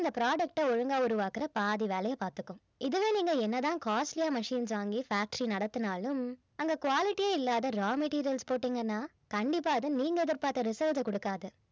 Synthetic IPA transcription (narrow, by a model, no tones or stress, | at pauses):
ɐnd̪ɐpɪɾaːɖɐk̚ʈɐɔɻɐŋɡaːʊɾʊʋaːkɯɾɐpaːðiʋeːlɐjɐpaːɾt̪ɯkːɯ̃ | ɪðɯʋeːniːŋɡɐɛnːɐt̪ãːkaːsʈlɪjaːmɐʂiːns̬ʋaːŋɡifaːk̚ʈɾinɐɽɐt̪ːɯnaːlɯm | ɐŋɡɐkʊʋaːlɪʈːijeːɪlːaːðɐɾaːmɛʈiːɾɪjɐlspoːʈːiːŋɡɐnːaː | kɐɳɖɪpːaːɐðɯniːŋɡɐɛðɪɾpaːɾt̪ːɐɾɪsɐlʈɐkɔɽɯkːaːðɯ